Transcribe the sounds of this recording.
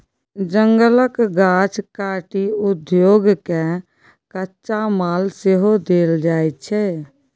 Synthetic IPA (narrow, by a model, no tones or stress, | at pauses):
d͡ʒəŋɡələkɡat͡ʃʰkaʈiud̪joːɡke | kətːʃamalseɦod̪eld͡ʒajt̪̚t͡ʃʰɛ